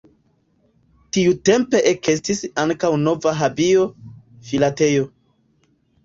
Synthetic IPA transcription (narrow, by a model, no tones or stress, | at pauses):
tiute̞mpe̞ʔeke̞stisaŋkawno̞vaɦabio̞ | filate̞jo̞